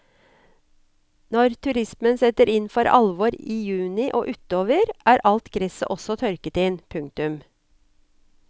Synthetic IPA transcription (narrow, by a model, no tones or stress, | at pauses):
nɔɾt̪ʰʉɾɪsmənsɛt̪əɾɪnfɔɾʔɑ̰lʋoɾiːjʉːnɪʔo̰ːʔʉt̪oːʋəɾʔæːɾʔɑlt̪ɡɾɪsə̰ʔɔsɔt̪ʰœɾkət̪ɪnpʰʉŋkt̪ʉm